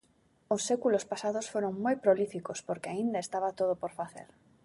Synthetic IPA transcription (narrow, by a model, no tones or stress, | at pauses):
ʊsːekulospasaðʊsfoɾoŋmojpɾolifikospoɾkeaind̪aest̪aβat̪oðopoɾfaθḛɾ